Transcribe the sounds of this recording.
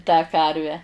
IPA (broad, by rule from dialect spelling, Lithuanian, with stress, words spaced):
tɑː ˈkɐrʲʋʲæː